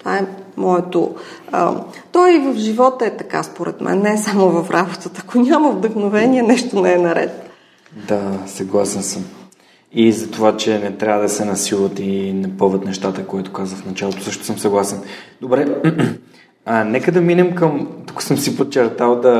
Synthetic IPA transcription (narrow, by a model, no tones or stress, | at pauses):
t̪ovaɛmɔɛt̪o̰ə̰t̪ɔjvəfʒivɔt̪əɛt̪ɐka̰spoɾɛ̰t̪mʔɛ̰nːɛsamovɐfɾʔabot̪ət̪əɐkonʲaməvd̪əxnovɛnʲiɛnɛʃt̪onɛɛnɐɾɛ̰t̪ | d̪asɐɡlˠasɛnsəm | izɐt̪ovat͡ʃɛnɛt̪ɾʲavəd̪ɐsɛnɐsilˠət̪inɐpɤvət̪nɛʃt̪at̪əkoit̪o̥kazəfnɐt͡ʃalˠot̪o̥sɤəʃt̪o̥səmsɐɡlˠasɛnd̪obɾɛ | ənɛkəd̪ɐminɛmkəmt̪ukʊ̥səmsipot͡ʃɛɾt̪alˠd̪ɐ